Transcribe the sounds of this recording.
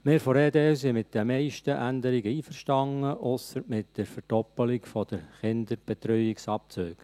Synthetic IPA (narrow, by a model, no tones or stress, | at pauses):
mɪːɾfɔɾɛːd̪eːs̬imɪt̚d̪̥ɛmɛɪʃtəʔænd̪əɾiɡəiːfəɾʃtɑŋəʔʊsəmɪtd̥əɾfəɾd̥ɔpːəlɪkfɔd̥əɾχɪnd̪əɾb̥ɛt̪ɾœʏɪksɑp̚t͡søːɡ